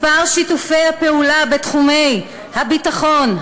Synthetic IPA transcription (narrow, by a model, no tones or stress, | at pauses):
paʁʃitufe̞jhape̞ulabetχumej | habitaχo̞n